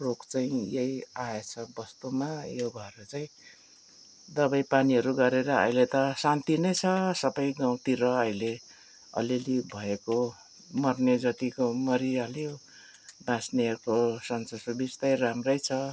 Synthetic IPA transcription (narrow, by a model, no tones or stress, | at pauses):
rokt͡saĩjejaet͡sʰʌbʌst̪umajobʱʌeɾʌt͡saĩ | d̪ʌbʌjpaniʌɾuɡʌɾeɾʌʌ̰ilet̪ʌsant̪inʌjt͡sʰʌsʌbʌjɡaw̃t̪iɾʌːile | ʌ̰lelibʱʌeko | mʌrned͡zʌt̪ikomʌɾialjo | bãsneʌkosʌnsʌsubist̪ʌjramrʌjt͡sʰʌ